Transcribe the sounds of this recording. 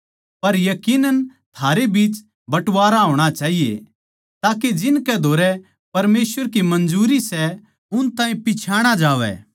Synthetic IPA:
pɐɾjɐkiːnənt̪ʰaːɾebiːt͡ʃ | bɐʈʋaːɾaɦoːɽ̃at͡ʃaːɦijḛ | t̪aːked͡ʒɪnkɛd̪ʱoːɾɛ | pɐɾmeːsʋəɾkimɐ̃nd͡ʒuːɾisɛ | ʊnt̪ãːĩpɪt͡ʃʰaːɽ̃ad͡ʒaːʋɛ̰

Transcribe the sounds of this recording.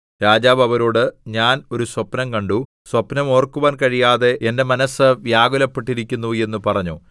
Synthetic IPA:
ɾaːd͡ʑaːbɐʋɐɾo̞ːɽɨɲaːno̞ɾuswɐpnɐmkɐɳɖu | swɐpnɐmo̞ːrkːuʋaːnkɐɻijaːðe̞ʔende̞mɐnɐsɨʋjaːɡulɐpːeʈːiɾikʲːunːue̞nːupɐrɐɲːu

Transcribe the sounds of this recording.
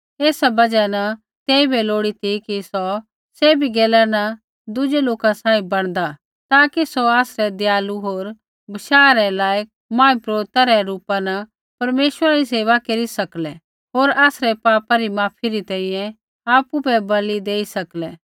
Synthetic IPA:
eːsabɐd͡ʒanɐ | t̪eːibɛloːɽit̪ʰikisɔ | seːbiɡɛːlanɐ | d̪ʊd͡ʒeloːkãsãːĩbɐɽ̃d̪a | t̪aːkisoaːsɾɛd̪ɪjaːluɦoːɾ | bɐʃaːɾɛlaːjək̚mãːĩpɾoːɾt̪aɾɛɾuːpãnɐ | pɐɾmeːʃwəɾaɾiseːʋakeɾisɐklɛ | ɦoːɾaːsɾɛpaːpaɾimaːpʰiɾit̪ɛ̃ːĩjɛ̃ | aːpubɛbɐlid̪eːisɐklɛː

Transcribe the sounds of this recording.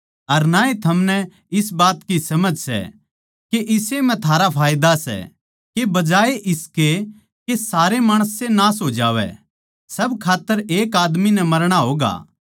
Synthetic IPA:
ɐɾnaːet̪ʰɐmnɛ | ɪsbaːt̪kisɐməd͡ʒʱsɛ̰ | keʔɪsemɛ̃t̪ʰaːɾapʰaːjd̪asɛ̰ | kebɐd͡ʒaːeʔɪske | kesaːɾemaːɽ̃əsenaːs̬oːd͡ʒa̰ːʋɛ̰ | sɐbkʰaːt̪ːəɾeːkaːd̪minɛmɐɾɽ̃aɦoːɡa̰ː

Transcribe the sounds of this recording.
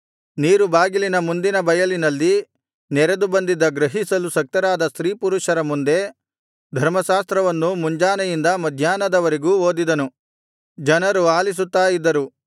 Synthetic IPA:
niːɾubaːɡilinɐmund̪inɐbɐjɐlinɐlːi | nɛɾed̪ubɐnd̪id̪ɐɡɾɐɦisɐlusɐk̚t̪ɐɾaːd̪ɐsɾiːpuɾuʃɐɾɐmund̪e̞ | d̪ʱɐɾmɐʃaːst̪ɾɐʋɐnːumuɲd͡ʒaːnɐjind̪ɐmɐd̪ʱjaːnɐd̪ɐʋɐɾiɡuːo̞ːd̪id̪ɐnu | d͡ʒɐnɐɾuaːlis̬ut̪ːaːjid̪ːɐɾu

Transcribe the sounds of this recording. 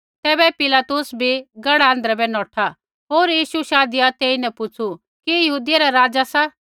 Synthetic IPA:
t̪ɛːbɛpɪlaːt̪ʊsbʱiɡɐɽɛə̃ːnd̪ɾɛbɛnɔːʈʰa | ɦoːɾjiːʃuʃaːd̪ɪjat̪eːinɛpʊt͡sʰu | kijɐɦuːd̪ɪjaɾɛɾaːd͡zasa

